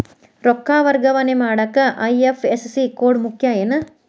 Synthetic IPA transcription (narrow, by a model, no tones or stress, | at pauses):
ɾɔkːaːʋɐɾɡɐʋɐnemaːɽɐkːɐʔɐjefʰessikoːɾɖmukʰjaenɐ